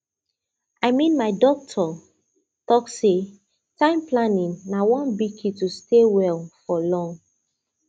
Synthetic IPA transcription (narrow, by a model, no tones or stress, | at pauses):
aɪmĩnmaɪdɔk̚tʰɔ | tɔkse | tãɪ̃mplanĩŋnawɔ̃nbikʰitustʰewɛlfɔlɔ̃ŋ